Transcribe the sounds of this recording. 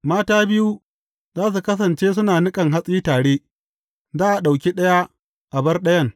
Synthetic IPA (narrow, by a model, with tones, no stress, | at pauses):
maː˦taː˦bɪ˦ju˦ | zaː˦s̬u˨kɐ˦s̬ɐ˨nt͡ʃeː˦sʊ˦naː˨nɪ˦kʼɐ˨ŋɦa˦sʼiː˦taː˨ɽeː˦ | zaː˦ʔa˨ɗa˨wk̬ʲi˦ɗɐ˦ja˦ | ʔa˨bɐ˦rɗɐ˦jɐ˦˨ŋ